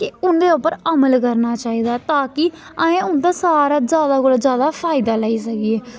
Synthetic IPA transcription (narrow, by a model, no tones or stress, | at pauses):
kɪʊnd̪eːʊpːəɾəməlkəɾnaːt͡ʃaːiːd̪aːt̪aːkɪ | ãẽːʊnd̪aːsaːɾaːd͡ʒjaːd̪aːkoːld͡ʒjaːd̪aːpʰaːɪd̪aːlaːiːsəkieː